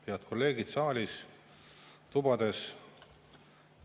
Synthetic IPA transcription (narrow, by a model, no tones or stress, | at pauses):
heɑt̪ko̞lːe̞ːɡ̥id̪̥sɑːlʲis | t̪ubɑd̪̥e̞s